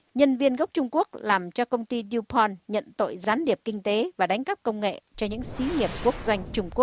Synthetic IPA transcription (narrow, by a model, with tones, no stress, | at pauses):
ɲə˧nvi˧ənɣə˦˥k͡p̚t͡ɕʊ˧ŋ͡mku˦˥ək̚laː˨˩mt͡ɕɔ˧kə˧wŋ͡mt̪i˧ɗi˧pʰɔ˧nɲə̰˧˨nt̪o̰˧˨jzaː˨˦nɗi˨˩əp̚kï˧ŋ̟t̪e˨˦vaː˨˩ɗa˨˦jŋ̟kə˦˥p̚kə˧wŋ͡mŋḛ˧˨t͡ɕɔ˧ɲɨ̰˧˥ŋsi˨˦ŋi˨˩əp̚ku˦˥ək̚zwa˧jŋ̟t͡ɕʊ˧ŋ͡mku˦˥ək̚